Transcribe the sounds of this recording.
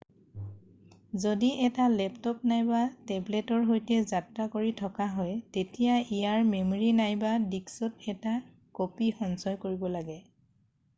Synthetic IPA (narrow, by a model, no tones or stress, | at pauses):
zodiʔɛtalɛptɔp̚najbatɛblɛtɔɹɦojtɛzatɹakoɹitʰɔkaɦɔjtetijaijaɹmemoɹinajbadiksɔtɛta | kopixɔnsɔjkoɹibɔlaɡɛ